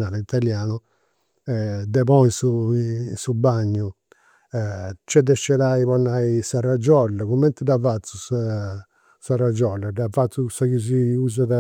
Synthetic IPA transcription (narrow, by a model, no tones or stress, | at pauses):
naːlɛit̪aljaːnu | ɛd̪ɛpɔinsunsubaɲːu | t͡ʃːɛd̪ɛʃɛðaiβɔnːaisarad͡ʒɔlːɛkumːɛnt̪ɛd̪avat̪sːusa | sarad͡ʒɔlːɛd̪avat̪sːusakiz̬iuːz̬aða